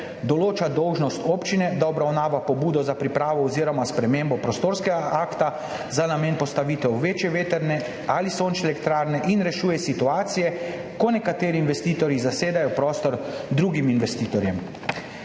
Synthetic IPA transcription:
d̪ɔloːt͡ʃad̪ɔwʒnɔst̪oːpt͡ʃinɛd̪aɔbɾawnaːʋapɔbuːd̪ɔzapɾipɾaːʋɔɔziːɾɔmaspɾɛmeːmbɔpɾɔst̪oːɾskɛɡaʔaːkt̪a | zanameːnpɔst̪aʋiːt̪ɛwʋeːt͡ʃjɛʋeːt̪ɛɾnɛ | alisont͡ʃɛlɛkt̪ɾaːɾnɛʔinɾɛʃuːjɛsit̪uaːt̪sijɛ | kɔnɛkat̪eːɾiːnʋɛst̪iːt̪ɔɾjizaseːd̪ajɔpɾɔːst̪ɔɾd̪ɾuːɡiminʋɛst̪iːt̪ɔɾjɛm

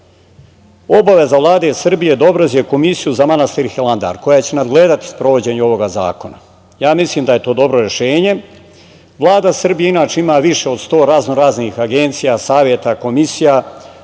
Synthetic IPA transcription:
o̞baʋe̞zaʋlˠaːd̪e̞sr̩bije̞d̪obɾozijeko̞misijuzamanast̪iɾxeland̪a̰ːɾko̞jat͡ɕe̞nad̪ɡle̞ːd̪at̪i̥spɾo̞ʋo̞d͡ʑe̞ːɲuo̞ʋo̞ɡaza̰ːko̞na̰ | jaːmislˠiːmd̪aje̞t̪o̞ːd̪o̞bɾo̞ɾe̞ʃe̞ːɲe̞ | ʋlˠaːd̪asr̩bijeinaːt͡ʃeimaːʋiʃe̞o̞d̪st̪o̞ːɾaznoɾaːznixaɡe̞nt̪sijasaːʋje̞t̪ako̞misija

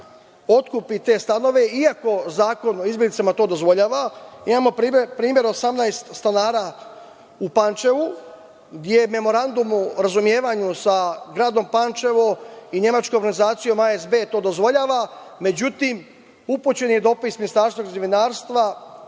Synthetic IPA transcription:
o̞t̪kupit̪e̞ːst̪ano̞ʋe̞iako̞zaːko̞noizbjeɡlit̪samat̪o̞ːd̪o̞zʋo̞ʎaːʋaimaːmo̞pːpɾiːmje̞ɾosamnajst̪st̪anaːɾaː | upant͡ʃe̞ʋu | ɡd̪ʲjeme̞mo̞ɾand̪umuɾazumje̞ːʋaɲusaɡɾaːd̪o̞mpant͡ʃe̞ʋo̞iɲe̞mat͡ʃkojoɾɡanizaːt̪sijo̞maezbe̞ːt̪o̞ːd̪o̞zʋo̞ʎaːʋa | me̞d͡ʑut̪im | uput͡ɕe̞njed̪o̞pisminist̪aːɾst̪ʋoɡzeʋinaːɾst̪ʋa

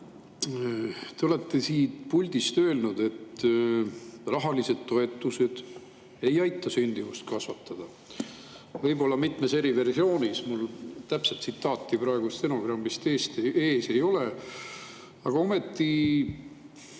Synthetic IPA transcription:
t̪e̞o̞le̞t̪ːe̞siːt̪pulʲd̪̥ist̪ø̞ːlnud̪̥e̞t̪ː | rɑɦɑlise̞d̪̥̚t̪o̞e̞t̪ˑːuse̞d̪̥ | e̞jɑjt̪ːˑɑsynʲd̪̥ivust̪̚kɑsvɑt̪ːɑd̪̥ɑ | vɤ̞jbo̞lːɑmit̪ˑmese̞ɾive̞rsio̞ːnismult̪æpselt̪sit̪ːɑːt̪ːipɾɑe̞ɡ̥ust̪e̞no̞ɡ̥rɑmbist̪eːst̪eːse̞jo̞le | ɑɡ̥ɑo̞me̞t̪ːi

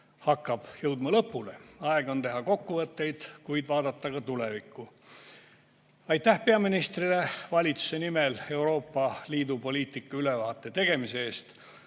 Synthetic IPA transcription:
hɑkːɑb̥jɤwd̪̥mɑlɤpːˑule̞ɑeɡ̥o̞nt̪e̞ɦɑko̞kːuvɤt̪ːe̞jd̪̥kujd̪̥vɑːd̪ɑt̪ːɑkɑt̪ule̞vikːˑu | ɑjt̪ːˑæhpe̞ɑminist̪rile̞vɑlʲit̪su̥se̞nime̞le̞wɾo̞ːpːɑliːd̪upo̞lʲiːt̪ikːɑylevɑːt̪ːˑe̞t̪e̞ɡ̥e̞mise̞eːst̪

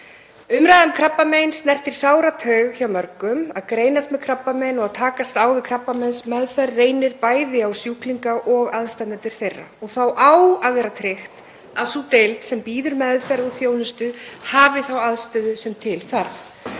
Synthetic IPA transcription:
ʏmɾajðʏmkʰɾapːamejnsnɛr̥t̪iɾ̥saːwɾat̪ʰœɥɣçawmœɾkʏmaðkɾeːjnast̪mɛðkʰɾapːamɛjnɔɣaðt̪ʰaːkast̪aːwvɪðkʰɾapːamɛnsmɛðfɛrːeːjnɪɾpaːjðɪawsjuːkliŋkaʔɔɣaðst̪anat̪ʏɾ̥θejrːa̰ɔɣθawʔawaðvɛːɾat̪ʰɾɪxt̪ | aðsut̪ejlt̪sɛmpiːðʏɾmɛðfɛɾɔθjoːwnʏst̪ʏhaːvɪθawaðst̪œːðʏsɛmt̪ʰɪlθaɾv

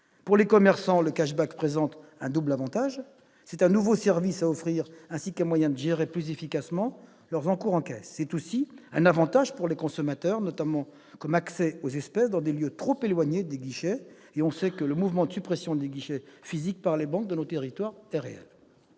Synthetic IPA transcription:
puʁlekɔmɛʁsɑ̃ləkaʃbakpχezɑ̃t̪ɛ̃d̪ublavɑ̃t̪aʒ | sɛt̪ɛ̃nuvosɛʁvisaɔfχiʁɛ̃sikɛ̃mwajɛ̃d̪əʒeʁeplyzefikasmɑ̃ | lœʁzɑ̃kuʁɑ̃kɛsːɛt̪osiɛ̃navɑ̃t̪aʒpuʁlekɔ̃sɔmat̪œʁnɔt̪amɑ̃ | kɔmaksɛozɛspɛsd̪ɑ̃d̪eljøt̪χopelwaɲed̪eɡiʃɛ | eɔ̃sɛkələmuvmɑ̃d̪əsypχesjɔ̃d̪eɡiʃɛfizik̚paʁlebɑ̃k̚d̪ənot̪eʁit̪waʁɛʁeɛ̰l

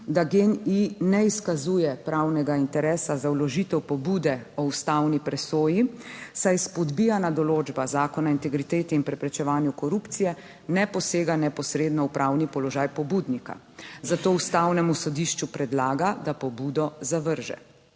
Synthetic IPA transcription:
d̪aɡeninɛiskazuːjɛpɾawnɛɡaint̪ɛɾɛːsazawlɔʒit̪ɛwpɔbud̪ɛɔust̪awnipɾɛsoːjisajspɔd̪bijanad̪ɔloːd͡ʒbazaːkɔnaint̪ɛɡɾit̪eːt̪ɛinpɾɛpɾɛt͡ʃɛʋaːnjukɔɾuːpt̪sijɛ | nɛpɔseːɡanɛpɔsɾeːd̪nɔwpɾʔaːwnipɔlɔʒaːjpɔbuːd̪nika̰ | zat̪oːust̪awnɛmusɔd̪iʃt͡ʃupɾɛd̪laːɡad̪apɔbuːd̪ɔzaʋəɾʒɛ̰

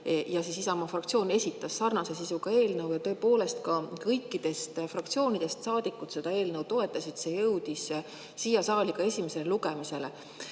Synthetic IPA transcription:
jɑsesisɑmɑfrɑkt̪sio̞ːne̞sʲit̪ːˑɑsːɑrnɑse̞sisuɡ̥ɑe̞ːlnɤwjɑt̪ɤ̞ːpo̞ːle̞st̪kɑkɤjkːˑid̪̥e̞st̪frɑkt̪sio̞ːnid̪̥e̞st̪sɑːd̪̥ikːˑut̪se̞d̪̥ɑe̞ːlnəwt̪o̞e̞t̪ːˑɑsid̪̥se̞jɤwd̪̥is | siːjɑsɑːlʲiɡ̥ɑe̞sʲime̞se̞leluɡemise̞lḛ

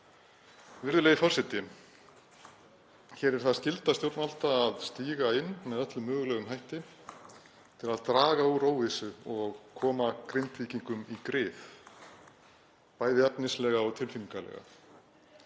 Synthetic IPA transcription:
vɪɾðʏlɛːjɪfɔr̥sɪt̪ːɪ | çɛːɾɛɾ̥θaðscɪlt̪ast̪jowɾt̪nal̥t̪aːðst̪iːɣaɪnːmɛðœt̪lʏmːœːɣʏlɛɣʏmɦajht̪ɪ | t̪ʰɪlaðt̪ɾaːɣauɾoːwvɪsʏɔɣkʰɔːmakɾejnt̪viːciŋkʏmikɾɪːθ | paːjðɪɛpnɪslɛːɣaɔɣt̪ʰɪlfimŋkalɛ̰ːɣa̰

